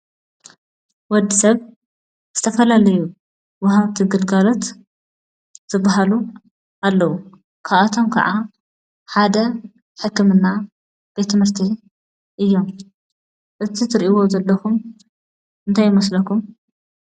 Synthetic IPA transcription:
wɔd̪ːisɐβ | z̥ɨt̪ʰɐfɐlalɐju | wɐɦaβt̪ʰiɡɨlɡalo̞t̪ | z̥ɨbːaɦalu | ʔalːɐwu | kʰaβat̪ʰo̞mkʰɐ̰ʕa | ħad̪ɐ | ħɨkːɨmɨnːa | b̥e̞t̪ʰːɨmɨɾt̪ʰi | ʔɨjːo̞m | ʔɨt̪ʰit̪ʰɨɾʔiwo̞zɐlːɐxum | ɨnt̪ʰajːɪmɐslɐkʰum

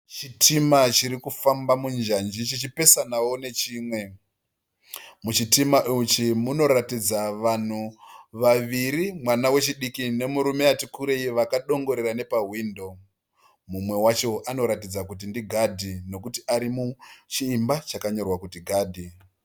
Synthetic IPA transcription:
t͡ʃitʰimat͡ʃiɾikufambamund͡ʒand͡ʒit͡ʃit͡ʃipe̞sanawo̞ne̞t͡ʃiːmwe̞ | mut͡ʃitimaʔut͡ʃimuno̞ɾatid͡zaʋan̤uʋaʋiɾimwanawe̞t͡ʃiɗikine̞muɾume̞atikuɾe̞iʋakaɗo̞ŋɡo̞ɾerane̞paɦwiːndo̞ | mumwe̞wat͡ʃo̞ʔano̞ɾatid͡zakutindiɡʱadʱino̞kutiʔaɾimut͡ʃiːmbat͡ʃakaɲo̞rwakutiɡʱaːdʱi

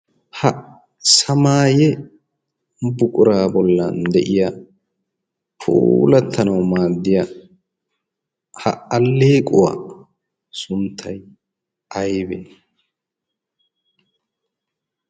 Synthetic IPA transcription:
hɐ | sɐmaːjɛ | bʊkʼʊɾaːbɔlːɐnd̪ɛʔɪja | pʰṵːlɐt̪ʰːɐnɐwmaːd̪ːɪja | hɐ̰ɐlːeːkʼʊwa̰ | sʊnt̪ʰːɐj | ɐjbɛː

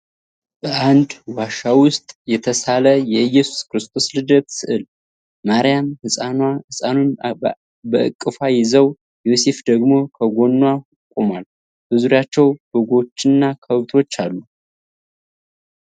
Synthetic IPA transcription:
bəand̪waʃawʊst̪ʼjɛt̪ʰəsaləjɛɨjːɛsu̥skɨɾɨst̪ʰo̞slɨd̪ət̪sɨʔɨl | maɾijamhɨsʼanahɨsʼanun | bəʔɨ̰kʼːɨfajɪzəw | jo̞se̞fd̪əɡmo̞kʰəɡʷo̞nːwa | kʼumal | bɨzuɾjat͡ʃːɛwbɨɡo̞t͡ʃːɨnːakʰəβt̪ʰo̞t͡ʃːalːu

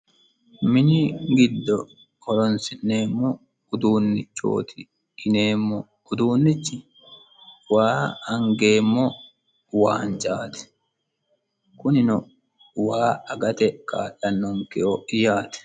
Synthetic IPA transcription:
mɪnɪɡɪd̪ːɔ | ɔɾɔnsɪnːe̞ːmːɔ | ʊd̪uːnːɪt͡ʃːo̞̰ːt̪ʰɪː | neːmːɔ | ʊd̪uːnːɪt͡ʃːɪ | waːɐŋɡe̞ːmːɔ | waːnt͡ʃʼaːt̪ɛ̥ | kʊnɪnɔ | waːɐɡɐt̪ɛkʼa̰ːᶑːɐnːɔŋkɪɔɪjaːt̪ɛ̥

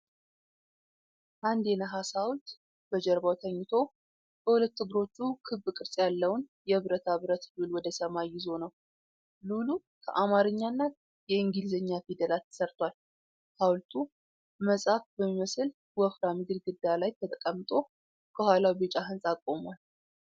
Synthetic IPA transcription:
ʔand̪enəɦasawlt̪ | b̥əd͡ʒɛɾbawt̪ʰəɲːɪt̪ʰo̞ | bəhulət̪ːɨɡɨɾo̞t͡ʃːukʰɨβːɨkʼɨɾsʼjalːəwnjɛɨβɾət̪ʰaβɾət̪lulwɔd̪əsəmajːɪzo̞nəw | lulu | kʰə̰ʔamaɾɨɲːanːat̪ | jɛɨŋɡilzəɲːafid̪əlalt̪ʰːə̥səɾt̪ʰwal | hawlt̪ʰu | məsʼafbəmːiməsɨl | wɔfɾamɨɡɨɾɡɨd̪ːalajt̪ʰət̪ʼəkʼəmːt̪ʼo̞ | kʰəhʷwalawbet͡ʃʼaɦɨnsʼakʼːo̞mwal

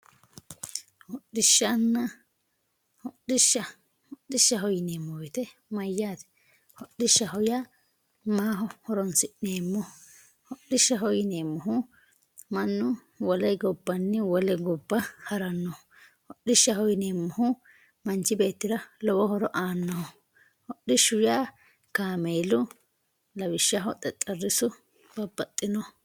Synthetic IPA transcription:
hɔɗːɪʃːɐnːɐ | hɔɗːɪʃːɐ | hɔɗːɪʃːɐɦɔjɪneːmːɔwɪt̪ɛ | mɐjːaːt̪ɛ̥ | hɔɗːɪʃːɐɦɔja | maːɦɔhɔɾɔnsɪʔneːmːɔh | hɔɗːɪʃːɐɦɔjɪneːmːɔɦʊ | mɐnːʊ | wɔlɐjɡɔbːɐnːɪwɔlɛɡɔbːɐhɐɾɐnːɔ | hɔɗːɪʃːɐhɔjneːmːɔhʊ | mɐnt͡ʃːɪbe̞ːt̪ːɪɾɐlɔbɔhɔɾɔʔaːnːɔhɔ | hɔɗɪʃʊjaː | kaːmeːlʊ | lɐbɪʃːɐɦɔt̪ʼɛt̪ʼːɐrːɪsʊ | b̥ɐbːɐt̪ʼːɪnɔ

